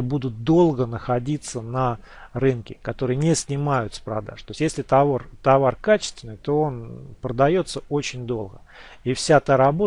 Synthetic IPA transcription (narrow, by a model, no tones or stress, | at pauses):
bud̪ʊt̪̚d̪o̞lˠɡənəxɐdʲit̪sənɐ | rɨnkʲɪkɐt̪o̞ɾɨjənʲesʲnʲɪmajʊt̪spɾɐd̪a̰ʂt̪o̞jʲsʲt̪ʲjesʲlʲɪt̪ɐort̪ɐvarkat͡ɕɪ̥st̪vʲɪnːɨjt̪o̞o̞npɾəd̪ɐjo̞t̪səot͡ɕɪnʲd̪o̞lˠɡə | ifsʲat̪aɾɐbo